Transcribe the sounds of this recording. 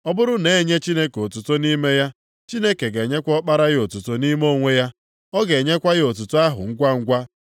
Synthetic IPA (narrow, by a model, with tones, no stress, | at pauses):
ɔ˦bʊ˦ɾʊ˦ne˨˦ɲe˦t͡ʃi˦ne˦ko˨tu˨to˦ni˦me˦ja˦ | t͡ʃi˦ne˦ke˨ɡe˨ɲe˦kʷɔ˦k͡pa˦ɾa˦ɣɪ˦o˨tu˨to˦ni˦mo˦˨ŋʷe˦ja˦ | ɔ˦ɡe˨ɲe˦kʷa˦ɣɪ˦o˨tu˨to˦a˦ɦʊ̰˨ŋ̩˦ɡʷa˦ŋ̩˦ɡʷa˦